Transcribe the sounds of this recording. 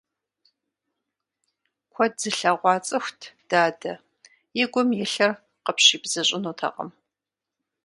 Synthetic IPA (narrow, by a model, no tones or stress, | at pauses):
kʷʰɔzɨɬaʁʷɑːt͡sʼɐxʷtʰd̥aːdɐ | jɪɡʷʊmjɛɬɐr | qəpʰɕiːbz̥ɐɕʼɪnuːtʰɐ̰qə̰m